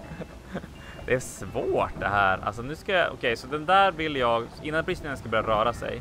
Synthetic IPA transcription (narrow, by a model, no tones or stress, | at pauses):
d̪ɛæʂvoːʈ̚d̪ɛ̰ɦæːɾa̰ls̬ɔnʉ̟ːska̰ʔɔ̰kʰɛjsɔd̪ɛnd̪æːɾvɪlːjɑːɡɪnːanbɾɪst̪nɪŋənskabœɾjaɾœːɾasɛ̰j